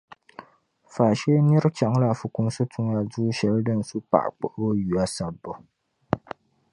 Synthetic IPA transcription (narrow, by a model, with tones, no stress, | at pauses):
faː˨ʃɛː˦mi˦ɾɨ˦t͡ʃa˨ŋ˦la˨fʊ˨ku˨m˦so˦tu˦ŋa˨duː˦ʃɛ˨ldɨ˦n̩˨su˦pa̰˨ʔk͡pɔ˨ʔʊ˦bo˦ju˨a˦sa˨bːɔ˨